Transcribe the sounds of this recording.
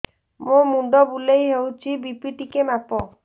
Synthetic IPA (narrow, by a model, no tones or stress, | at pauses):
momuɖ̪ɔbulejɦewt͡ʃʰibipiʈikemapɔ